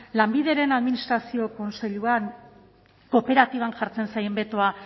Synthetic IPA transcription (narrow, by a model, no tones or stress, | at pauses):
lambið̞e̞ɾe̞naðminist̪ɾasio̞ko̞nse̞ʎuan | ko̞pe̞ɾat̪iβanʝaɾt͡se̞nsaje̞mbe̞t̪o̞a